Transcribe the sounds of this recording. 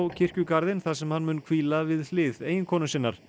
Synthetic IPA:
wcʰɪr̥cʏkaɾðɪnθasɛmhanːmʏːnkʰviːlavɪðlɪːðeːjɪnkʰɔːnʏmsɪnːa̰ɾ̥

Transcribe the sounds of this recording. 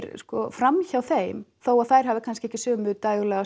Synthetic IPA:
ɾskɔfɾamçawθejmθowaðθaːjɾ̥ɦavɪkʰanscɪɛhcːɪsœːmʏðt̪aːjɣʏlɛɣa

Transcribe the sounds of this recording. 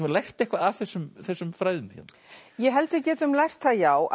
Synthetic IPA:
lajxt̪ɛhkvaaθɛsːʏmθɛsːʏmfɾaːjðʏmçɛ̰n | jɛɦɛlt̪ɪcɛːt̪ʏmlajxt̪θaðjaːwʔ

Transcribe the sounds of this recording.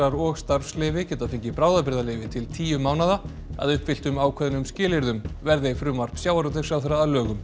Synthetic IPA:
aɾɔɣst̪aɾfslɪvɪcɛːt̪afɪɲcɪpɾaːwðapɪɾðalɪːvɪt̪ʰɪlt̪ʰiːjʏmaːwnaða | a̰ðʏhpvɪl̥t̪ʏmaːwkʰvɛðnʏmscɪːlɪɾðʏmvɛɾðɪfɾʏːmar̥psjaːwaɾɔt̪ɛɾsjaːwθɛɾːaːðlœːɣʏm

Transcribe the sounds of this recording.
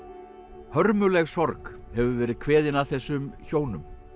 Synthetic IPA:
hœɾmʏlɛɣsɔɾkhɛvʏvɛːɾɪð̥kʰvɛːðɪnaθɛsːʏmçoːwnʏm

